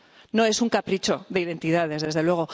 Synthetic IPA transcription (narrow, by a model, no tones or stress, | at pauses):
no̞e̞suŋkapɾit͡ʃo̞ðe̞iðe̞nt̪iðað̞e̞zðe̞zðe̞lwe̞ɣ̞o̞